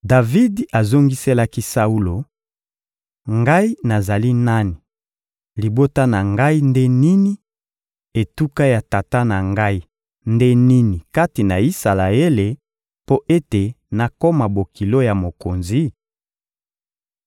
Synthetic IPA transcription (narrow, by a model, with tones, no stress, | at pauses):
da˨vi˦da˨zo˦ŋɡi˦se˦la˦ki˦sa˦u˦lo˨ | ŋɡa˦i˦na˨za˨li˦na˦ni˨ | li˨bo˦ta˦na˨ŋɡa˦i˦nde˦ni˦ni˦ | e˨tu˦ka˦ja˨ta˨ta˦na˨ŋɡa˦i˦ | nde˦ni˦ni˨ka˦ti˨na˨i˦sa˨la˨e˦le˨ | po˦ʔe˦te˨ | na˨ko˦ma˨bo˨ki˨lo˦ja˨mo˨ko˨nzi˦